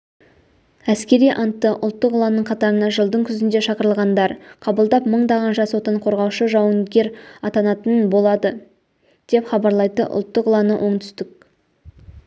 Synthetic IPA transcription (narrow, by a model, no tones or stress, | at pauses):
æskʲe̞ɾijʔɑnt̪ːəʔʊlˠt̪ːəqʊlˠɑnəɴqʰɑt̪ɑɾənɑʒəlˠd̪əɴkʲʰʏzɪnd̪e̞ʃɑqəɾəlˠʁɑnd̪ɑɾqʰɑbəlˠd̪ɑpməɴd̪ɑʁɑnʒɑswo̞t̪əɴqʰo̞ɾʁɑwʃəʒɑwənɡʲe̞ɾɑt̪ɑnɑt̪ənbo̞lˠɑd̪ə | d̪̥e̞pχɑbɑɾlˠɑjt̪ə̰ʔʊ̰lˠt̪ːəqəlˠɑnəʔo̞ɴt̪ʰʏ̥st̪ɪk̚